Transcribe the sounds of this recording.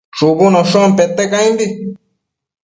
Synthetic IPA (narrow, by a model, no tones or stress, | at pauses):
t͡ʃuβunõʃõmpet̪ekãĩnd̪i